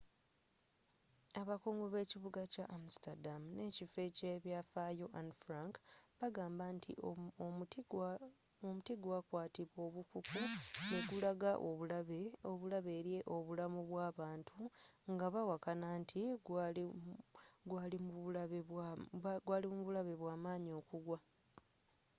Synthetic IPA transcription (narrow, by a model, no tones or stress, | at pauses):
aβakoːŋɡoβe̞ːciβuɡacaʔam̩staɾdamne̞ːcifeceβjafajoʔanfɾaŋkβaɡaːmbantʰḭ | omutiɡwakwaːtiβwo̞ːβukukune̞ɡulaɡaʔo̞βulaβeoβulaβe̞ːɾje̞ʔo̞βulamuβwaːβaːntʰuŋɡaβawakanaːntʰiɡa | ɡwaːlimuβulaβewɡwaːliuuβulaβe̞βwaːmaːɲio̞ːkuɡwa